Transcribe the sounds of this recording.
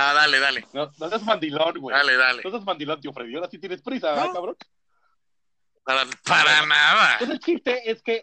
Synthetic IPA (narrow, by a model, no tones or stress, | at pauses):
aðaleðalenonoseazmand̪ilonɡwejaleðaleosazmãnd̪ilo̞nt̪iofɾeðjoɾasit̪̬jenespɾisaajkaβɾon | aɾapaɾanaðaoselt͡ʃist̪eeske